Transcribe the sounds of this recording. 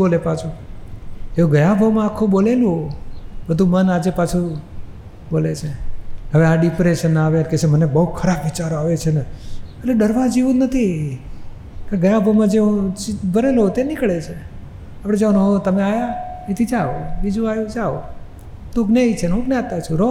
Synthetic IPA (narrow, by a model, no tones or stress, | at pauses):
olepat͡ʃʰu | eũɡəjãbʱəʋmãːkʰːubolelũɦobəd̪ʱũmənad͡ʒepat͡ʃʰu | bolet͡ʃʰeɦəʋeaɖipɾeʃənaʋenket͡ʃʰemənebəɦukʰəɾabʋit͡ʃaɾoaʋet͡ʃʰeneəleɖəɾʋad͡ʒiʋũnət̪ʰi | kãɡəjabʱəwmãd͡ʒeũt͡ʃibʱəɾeloɦot̪enikɭet͡ʃʰe | apɽẽd͡ʒəʋanoɦot̪əmeajaet̪ʰid͡ʒaobid͡ʒũajũd͡ʒao | t̪uɡneit͡ʃʰenuɡneat̪at͡ʃʰũɾo